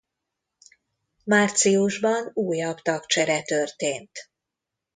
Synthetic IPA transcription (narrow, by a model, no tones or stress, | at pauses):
maːrt̪siuʒbɒnuːjɒbt̪ɒkt͡ʃɛɾɛt̪ørt̪eːnt̪